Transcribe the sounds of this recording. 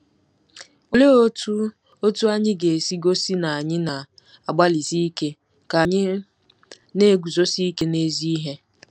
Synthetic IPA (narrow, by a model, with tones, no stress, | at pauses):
o˨le˦o˦tu˦ | o˦tu˦a˦ɲɪ˦ɡe˨si˦ɡo˦si˦na˨a˨ɲɪ˦na˨ | a˨ɡ͡ba˦li˨zi˦i˦ke˦ | ka˨a˨ɲɪ˦ | ne˦ɡu˨zo˦si˦i˦ke˦ne˦zi˦i˦ɦe˦